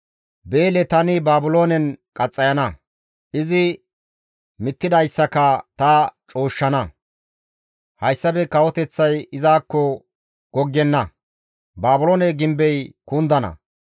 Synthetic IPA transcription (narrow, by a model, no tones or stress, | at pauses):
beːlɛt̪ɐnɪbaːbʊlo̞ːnɛnkʼɐt͡sʼːɐjɐnɐ | ʔɪzɪ | mɪt̪ːɪd̪ɐjsːɐkɐt̪ɐt͡ʃʼoːʃːɐnɐ | hɐjsːɐbɛkɐwɔt̪ɛt͡sːɐjɪzaːkːɔ | ɡ̥ɔɡːɛnːɐ | baːbʊlo̞ːnɛɡɪmbɛjkuːnd̪ɐnɐ̰